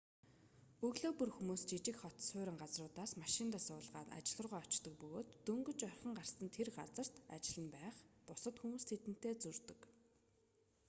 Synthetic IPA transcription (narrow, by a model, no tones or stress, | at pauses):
ɵɣɮoːpɵrxumuːst͡ɕit͡ɕɪ̆kχɔt̪sʊːɾʲɪ̆ŋɢat͡srʊːt̪aːsmaʃɪnt̪aːsʊːɮʁaːt̪a̰t͡ɕɪ̆ɮə̆rʁɔːɔt͡ɕt̪ɞ̆k̚pɵɣoːt̪ːɵŋɡɵ̆t͡ɕœrχə̆ɴɢarsə̆nt̪ʰerɢat͡sə̆r̥t̪at͡ɕɪ̆ɮə̆npæːχpʊsə̆t̪xumuːst̪ʰet̪ɘ̆n̥t̪eːt͡sɵrt̪ɵ̆k